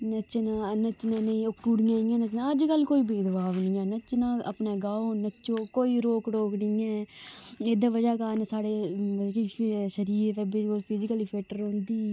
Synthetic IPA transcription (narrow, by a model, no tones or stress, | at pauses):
nət͡ʃnaːnət͡ʃːnaːnəĩːʊkːuɽɪjãːnːãːnət͡ʃnaəd͡ʒkəlːkoːiːbeːd̪əbaːʋnĩːɛ̃ːnət͡ʃnãːə̰pneːɡaːoːnət͡ʃːoːkoːiːɾoːkɽoːknɪiːɛ̃ːeːd̪aːʋəd͡ʒaːkaːnsaːɽeːkiʃəɾiːɾpɛːbekoːlpʰɪzɪkəliːpʰeːʈəɾɦõnd̪iː